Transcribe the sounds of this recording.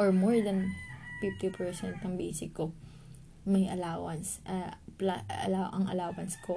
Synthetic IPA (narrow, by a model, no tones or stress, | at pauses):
ʔoɹmoɹd̪ɐnfɪft̪ipʰɛɹsɛnt̪̚ɐŋbḭːsɪkːo | mɐjʔɐ̰laːwɐnsʔɐplaaʔɐŋɐ̰laːwɐnsko